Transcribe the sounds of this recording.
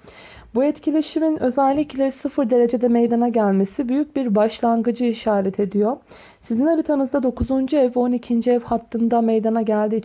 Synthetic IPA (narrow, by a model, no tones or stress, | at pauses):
bujɛt̪cʰilʲe̞ʃiminø̞zælʲːiclʲɛsɯfɯɾd̪e̞ɾe̞d͡ʒe̞d̪ɛmejd̪anaɟælʲme̞sibyjyc̚biɾbaʃlˠanɡɯd͡ʒɯiʃaːɾɛt̪ʰe̞d̪ijo̞ | sizinaɾɯt̪ʰanɯzd̪ad̪o̞kuzund͡ʒuɛvo̞nicʰind͡ʒiɛvhat̪ʰːɯnd̪amejd̪anaɟælʲd̪i